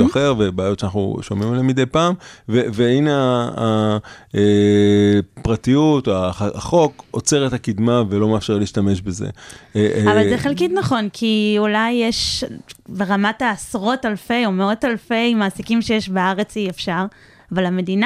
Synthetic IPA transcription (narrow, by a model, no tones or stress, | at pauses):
aχeʁvebaːjotʃanaχṵʃomimelemid̪ejpaːmveveinaː | e | pʁatijutoaχo̞kot͡se̞ʁet̪hakid̪mavelo̞meafʃe̞ʁliːʃtame̞ʃbezḛ | avalzeχelkitnaχo̞nkʰiulajːeʃ | beʁamataːsʁo̞talfe̞jo̞meo̞talfe̞jmaːsikimʃe̞jeʃbeaʁe̞t͡siefʃaʁ | avalame̞dina